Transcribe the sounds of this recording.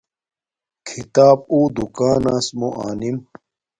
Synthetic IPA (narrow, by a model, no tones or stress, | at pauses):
kʰit̪aːb̚uːd̪ukaːnaːsmoʔaːnim